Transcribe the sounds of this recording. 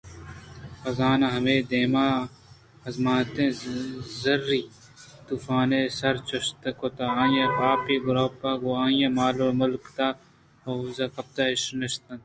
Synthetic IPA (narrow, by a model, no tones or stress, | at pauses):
xɐzaːnaɦɐmeːd̪eːmaː | ɐzmaːt̪ẽzɐɾːiː | t̪uːfaːnesɐɾt͡ʃɐʃt̪ɐkot̪aaːjepaːpiɡʊɾoːpːaɡoaːjemaːlomʊlkt̪a | ɐzɐkɐb̚d̪aɪʃnɐʃt̪ɐn